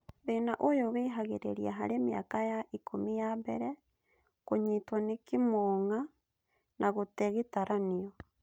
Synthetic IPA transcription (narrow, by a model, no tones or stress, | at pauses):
βeːnaʔojoβeːɦaɣeɾḛɾiaɦaɾemea̰kajaʔikʰomijaβɛ̰ɾɛ | koɲitwanekimoŋa | nʔaɣotɛɣetaɾʔaniɔ